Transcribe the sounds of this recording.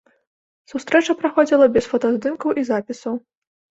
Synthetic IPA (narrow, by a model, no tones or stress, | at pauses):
sust̪ɾɛt͡ʂɐpɾaxɔd͡zʲilˠɐbʲɛsfɐt̪ɐzd̪ɨmkɐwʔizapʲisɐw